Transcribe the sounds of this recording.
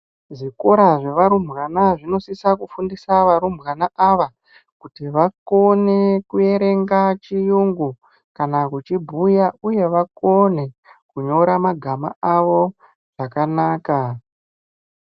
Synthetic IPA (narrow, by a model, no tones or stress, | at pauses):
ʐiko̞ɾaʐe̞ʋaɾumɣanaʐino̞sisakufundisaʋaɾumbɣanaʔaʋa | kutiʋako̞nekuje̞ɾe̞ŋɡat͡ʃijuŋɡu | kanakut͡ʃibʱujauje̞ʋako̞ne̞kuɲo̞ɾamaɡʱamaaʋo̞ | ʐ̥akanaːka